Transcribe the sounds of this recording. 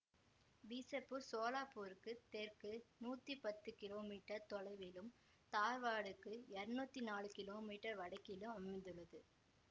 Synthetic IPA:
biːsɐpːɯsoːlaːpuːɾɯkːɯt̪eːɾkɯnuːt̪ːipɐt̪ːɯkɪloːmiːʈːɐɾt̪ɔɻɐɪʋɪlɯm | t̪aːɾʋaːɽɯkːɯɛɾɯnuːt̪ːinaːlɯkɪloːmiːʈɐɾʋɐɽɐɪkːɪlɯmɐmɐɪnd̪ɯɭːɐðɯ

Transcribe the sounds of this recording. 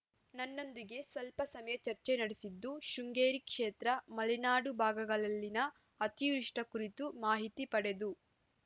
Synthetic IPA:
nɐnːo̞nd̪iɡe̞sʋɐlpɐsɐmɐjɐt͡ʃɐɾt͡ʃenɐɽesid̪ːuʃuŋɡeːɾikʂeːt̪ɾɐmɐlinaːɽubʱaːɡɐɡɐɭɐlːinɐ | ɐt̪ijɾiʂʈɐkuɾit̪umaːɦit̪ipɐɽe̞d̪u

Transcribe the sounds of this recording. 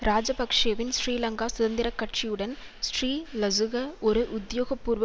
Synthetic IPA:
ɾaːd͡ʒɐbɐkʂejɐʋɪnsriːlɐŋɡaːsʊðɐnd̪ɪɾɐkːɐʈt͡ʃijɯɽɐn | sriːlɐsɯɣɐɔɾɯʔʊd̪joːɣɐpːuːɾʋɐ

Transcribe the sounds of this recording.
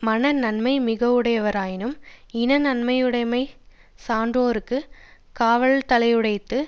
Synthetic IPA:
mɐnɐnɐnmɐɪmɪɣɐʋɯɽɐjɐʋɐɾaːjɪnɯmɪnɐnɐnmɐjɯɽɐɪmɐɪ | saːɳdroːɾɯkːɯ | kaːʋɐɭt̪ɐlɐɪɯɽɐɪt̪ːɯ

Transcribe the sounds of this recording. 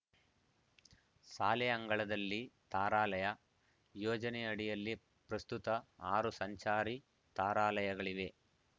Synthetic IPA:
saːlɛɐŋɡɐɭɐd̪ɐlːit̪aːɾaːlɐjɐ | joːd͡ʒɐnɛɐɽijɐlːi | pɾɐst̪ut̪ɐaːɾusɐɲt͡ʃaːɾi | t̪aːɾaːlɐjɐɡɐɭiʋe̞

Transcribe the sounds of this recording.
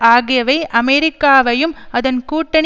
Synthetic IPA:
aːɣɪjɐʋɐɪʔɐmɛɾɪkːaːʋɐjɯmɐðɐnkuːʈːɐɳ

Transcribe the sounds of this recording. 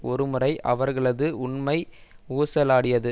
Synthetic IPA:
ɔɾɯmɯrɐɪʔɐ̰ʋɐɾɣɐɭɐðɯʊɳmɐɪuːsɐlaːɽɪjɐðɯ

